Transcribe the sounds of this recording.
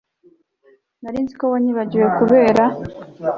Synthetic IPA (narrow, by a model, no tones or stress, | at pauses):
naɾiːnzikowaɲiβaɟiwekuβe̞ːɾa